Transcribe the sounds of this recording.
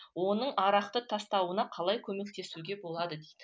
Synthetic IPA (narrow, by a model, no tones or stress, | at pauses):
wo̞nəɴɑɾɑqt̪ət̪ʰɑst̪ɑwənɑqʰɑlˠɑjkʲʰɵme̞k̚t̪e̞suɡʲe̞bo̞lˠɑd̪əd̪ejd̪̥ɪ